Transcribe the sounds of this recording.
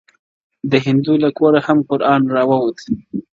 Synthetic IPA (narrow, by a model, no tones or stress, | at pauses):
d̪əɦɪnd̪ulakoɾahamkʊɾʔɑnɾɑwawot̪